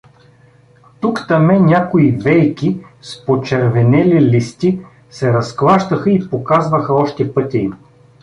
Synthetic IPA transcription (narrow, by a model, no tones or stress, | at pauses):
t̪ukt̪ɐmɛnʲakoivɛjkispot͡ʃɛɾvɛnɛlilʲist̪i | sɛɾɐsklˠaʃt̪əxəipokazvəxɐɔʃt̪ɛpɤt̪ʲiim